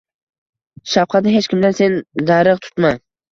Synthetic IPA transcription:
ʃafqʰɑt̪̚nɪɦet͡ʃkʲʰɪmd̪ansend̪aɾɨʁt̪ʰʊ̥t̪ma

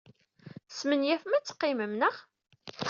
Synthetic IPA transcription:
smənjæfmæt͡sːə̥qːɪməmnəʁ

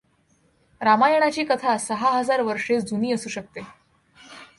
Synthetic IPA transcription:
ɾamajəɽ̃at͡ɕiːkət̪ʰasəɦaɦəd͡zaɾʋəɾʂet͡sd͡zʱuniːəsuːɕək̚t̪e

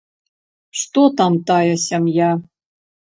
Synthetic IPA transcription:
ʂt̪ot̪amt̪ajɐsʲɐmja

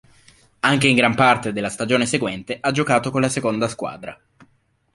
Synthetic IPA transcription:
aŋk̟eiŋɡɾampart̪ed̪elːast̪ad͡ʒoːneseɡwɛnt̪eʔad͡ʒokaːt̪okonlasekond̪askwa̰ːd̪ɾa̰

